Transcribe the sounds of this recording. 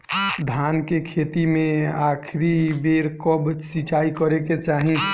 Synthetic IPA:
d̪ʱankekʰet̪imẽakʰɾibeɾkɔbsit͡ʃaikəɾeket͡ʃaɦĩ

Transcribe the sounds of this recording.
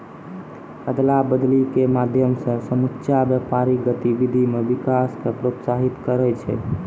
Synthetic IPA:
əd̪labəd̪likemad̪ʱjəmsə̃səmutːʃabjəpaɾiɡət̪ibid̪ʱimebikaskepɾot̪saɦit̪kəɾɛt͡ʃʰɛ̰

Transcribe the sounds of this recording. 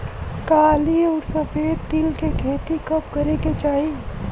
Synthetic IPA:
kaːliɔːɾsɐfeːd̪t̪iːlkekʰeːt̪ikɐp̚kɐɾeket͡ʃaːɦi

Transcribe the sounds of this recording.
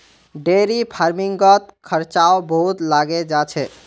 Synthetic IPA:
ɖeɾipʰaɾmiŋɡət̪̚kʰəɾt͡ʃaobəɦut̪laɡed͡ʒat͡ʃʰɛ

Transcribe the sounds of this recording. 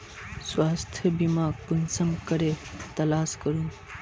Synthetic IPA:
swaːst̪ʰjɐbimãːkunsɐmkəɾet̪ɐlaːskəɾũː

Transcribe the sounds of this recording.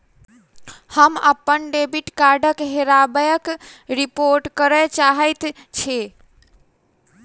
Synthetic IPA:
həməpːənɖebiʈkaɾɖəkɦeɾabəjəkɾipoɾʈkəɾɛt͡ʃaɦəjt̪ | t͡ʃʰe

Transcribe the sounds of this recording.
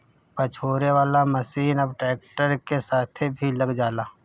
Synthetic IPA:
pət͡ʃʰoːɾeʋaːlaməsiːnəbʈɾeːk̚ʈəɾkesaːt̪ʰebʱiləɡd͡ʒaːlaː

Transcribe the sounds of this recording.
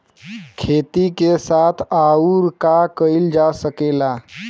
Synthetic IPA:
kʰet̪ikesat̪ʰauɾkakəjld͡ʒasəkela

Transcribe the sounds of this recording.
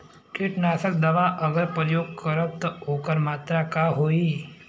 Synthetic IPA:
kɪʈnaːsək̚d̪ɐʋaʔəɡəɾpɾəjoːɡ̚kəɾət̚t̪ːɔɦoːkəɾmaːt̪ɾakaɦoːi

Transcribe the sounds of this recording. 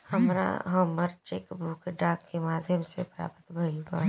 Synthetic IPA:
hɐmɾa̰ɦɐməɾt͡ʃekbʱuːkɖaːkːemaːd̪ʱjəmsepɾa̰ːpət̪bʱəjubaː

